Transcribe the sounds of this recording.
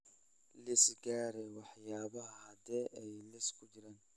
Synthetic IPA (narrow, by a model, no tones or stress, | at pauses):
lɪsɡaːɾɛwɑħjaːβɐɦɐhɐd̪ɛʔɛjlɛskʰʊt͡ʃɪɾaːn